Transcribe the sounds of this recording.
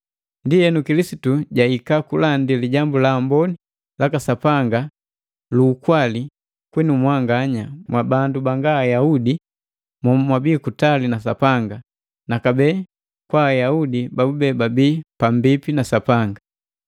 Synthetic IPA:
ndijɛnukilisituɟaikakulandiliɟambulaːmbɔni | lakasapaŋɡa | luːkwali | kwɛnumwaŋɡaɲamwabandubaŋɡaːjaudi | mamwabiːkutalinasapaŋɡa | nakabɛː | kwaːjaudibabubɛbabiːpambipinasapaŋɡa

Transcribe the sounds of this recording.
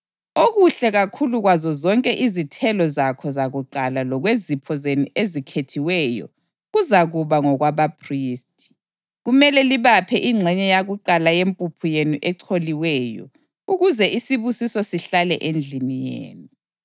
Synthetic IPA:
oɣuɬɛɣakʰuluɣwazɔzɔŋkʼɛʔizitʰɛlɔzakʰɔzaɣuǃalalɔɣwezipʰɔzenuʔezikʰetʰiwɛjɔ̰ | ɣuzaɣuβaŋɔɣwaβapʰriːstʰʼi̥ | ɣumɛlɛliβapʰɛʔiŋ͡ǁʱɛɲɛjaɣuǃalajempʼupʰujenuʔɛǀʰoliwɛjɔ̰ | uɣuzɛʔisiβusisɔsiɬalɛʔend͡ɮʱinijḛːnu

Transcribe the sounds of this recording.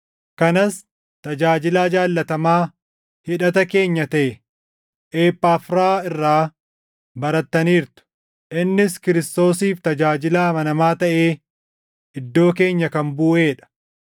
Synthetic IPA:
kɐnɐs | t̪ɐd͡ʒaːd͡ʒɪlaːd͡ʒaːlːɐt̪ɐmaː | hɪᶑɐt̪ɐke̞ːɲːɐt̪ɐʔɛ | ʔeːpːaːfɾaːɪrːaː | bɐɾɐt̪ːɐniːɾt̪ʊ̥ | ʔɪnːɪskɪɾɪst̪o̞ːsiːft̪ɐd͡ʒaːd͡ʒɪlaːmɐnɐmaːt̪ɐʔeː | ɪd̪ːo̞ːk̬e̞ːɲːɐkɐmbuːʔe̞ːᶑɐ̥

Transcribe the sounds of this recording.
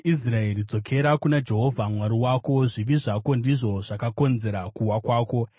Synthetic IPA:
is̬rae̞rid͡zo̞kʰe̞ɾakunad͡ʒe̞ɦo̞vʱamwaɾiwaːko̞ʐiʋiʐako̞ndiʐo̞ʐakako̞nze̞ɾakuwakwaːko̞

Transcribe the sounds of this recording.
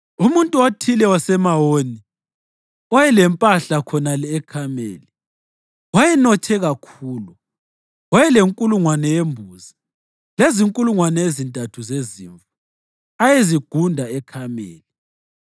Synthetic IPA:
umuntʼuatʰilɛwasɛmawoːni | ajɛlɛmpʼaɬakʰɔnalɛːkʰamḛːli | wajɛnɔtʰɛɣakʰuːlu | wajɛleŋkʼuluŋwanɛjembʱuzi | leziŋkʼuluŋwanɛezintʼatʰuzezḭːɱfu | ajeziɡ̥ʱundʱaɛkʰamḛːli

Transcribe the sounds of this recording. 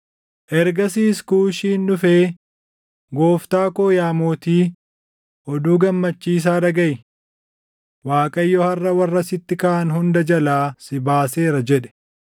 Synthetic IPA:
ʔɛɾɡɐsiːskuːʃiːndʊfeː | ɡo̞ːft̪aːkoːjaːmoːt̪iː | ʔɔd̪uːɡɐmːɐt͡ʃːiːs̬aːd̪ɐɡɐjɪ | waːkʼɐjːɔhɐrːɐwɐrːɐsɪt̪ːɪkɐʔɐnɦʊnd̪ɐd͡ʒɐlaːsɪbaːse̞ːɾɐd͡ʒɛᶑɛ̥

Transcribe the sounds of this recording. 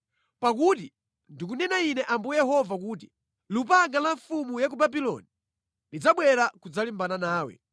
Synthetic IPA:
pak̬ut̬i | ndikunɛnainɛʔambujɛɦɔvak̬uːti̥ | lup̬aŋɡalaɱfumujak̬ubabilɔ̰ni | ndid͡zaɓwɛɾakud͡zalimbananaːwɛ̰

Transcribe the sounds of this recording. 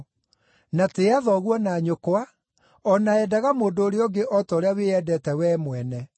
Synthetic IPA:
nateaðɔɣwɔnaɲokowa | ɔnaɛdaɣamoːdoːɾeɔɡeʔɔtɔɾeaweɛdɛtɛwɛːmwɛnɛ

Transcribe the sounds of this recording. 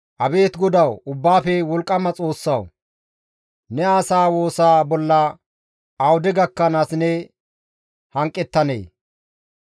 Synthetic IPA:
ʔɐbe̞ːt̪ɡɔd̪ɐwʊbːaːfɛwɔlkʼːɐmɐt͡sʼo̞ːsːɐw | nɛaːsaːwo̞ːsaːbɔlːɐ | ɐwʊd̪ɛɡɐkːɐnaːsnɛ | hɐŋkʼːɛt̪ːɐnḛː

